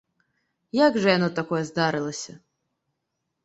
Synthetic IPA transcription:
jaɡʐɐjanɔt̪akɔjɛzd̪aɾɨlˠɐsʲɐ

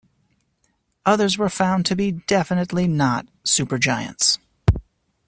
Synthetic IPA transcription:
ʌðə˞zwə˞fãʊ̃ntʰɨbidɛfɨnɨtˡlinət̚sʉpə˞d͡ʒaɪɨ̰̃nts

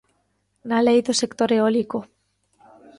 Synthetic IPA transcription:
nalejðosekt̪oɾeoliko

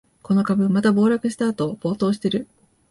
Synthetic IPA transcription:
ko̞no̞kabɯ̟mat̪abo̞ːɾakɯ̟ɕi̥t̪aːt̪o̞ːb̥o̞ːt̪o̞ːɕi̥t̪e̞ɾɯ̟

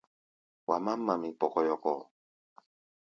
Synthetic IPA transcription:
wamamːamipokojoko

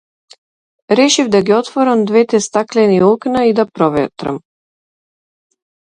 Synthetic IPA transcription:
ɾɛʃivd̪aɡiɔt̪vɔɾamd̪vɛt̪ɛst̪aklɛniuknaid̪apɾɔvɛ̰t̪ɾa̰m

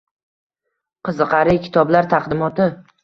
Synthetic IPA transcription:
qʰɨzɨqʰɑɾɪkʲʰɪ̥t̪ʰɒblaɾt̪ʰaqd̪ɪmɒt̪ɪ

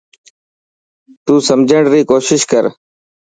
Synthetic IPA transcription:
t̪uːsəmd͡ʒʱəɳɽɾiːkoːʃɪʃkəɾ

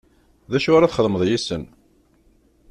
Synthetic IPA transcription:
ðæʃʊɾaθχəðməðˤjisən

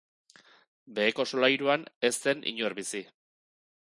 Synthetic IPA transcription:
be̞ːko̞solajɾuane̞st̪e̞nʔḭɲoɾβisi

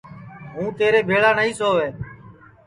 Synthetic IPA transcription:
ɦũːt̪eːɾeːbʱeːɭaːnəiːsoːʋeː

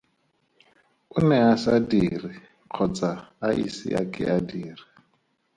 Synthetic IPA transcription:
unɛasadiri | q͡χʰɔt͡saːʔḭsḭʔa̰kʼɛ̰ʔadiːri

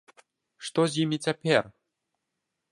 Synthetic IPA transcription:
ʂt̪ɔzʲjimʲit͡sʲapʲɛr

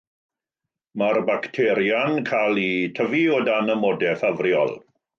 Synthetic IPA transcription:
marbaktʰɛɾjankʰalˠitʰəviɔdanəmɔdɛfavrjɔ̰lˠ

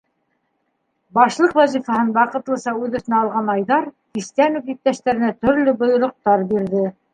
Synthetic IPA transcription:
bɑʃlˠɤqvæzifɑhɤnwɑqɤ̆t̪lˠɤ̆sɑʉðɵ̆θɘ̆næɑlˠʁɑnɑjðɑɾt̪ist̪ænʉpjip̚t̪æʃt̪æɾɘ̆næt̪ɵ̆ɾlɵbŏjŏɾŏq̚t̪ɑɾbiɾðɘ

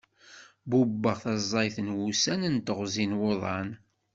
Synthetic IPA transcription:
bubːəʁθɑzˤːɑjθənwusænənt̪əʁzinwoðˤɑn

